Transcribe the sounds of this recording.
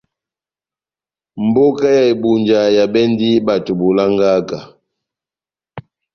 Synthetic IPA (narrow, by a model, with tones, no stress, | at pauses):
m̩˨bo˦ka˦ja˨e˨bu˨nd͡ʒa˨ja˨bɛ˦ndi˦ba˨tu˨bu˨la˦ŋɡa˦ka˨